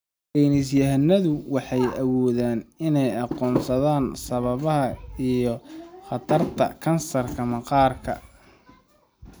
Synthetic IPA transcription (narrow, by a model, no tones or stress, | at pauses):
kiːnɪs̬jɐɦnɐðʊwɑħɑjɐwɔːðaːnɪnɛjɑqɔːnsɐðaːnsɐβɐβɐɦɐijɞχɑt̪ʰɐrt̪ʰɐ̰kʰɐnsɐrkʰɐmɐqɑːrkʰɐ̰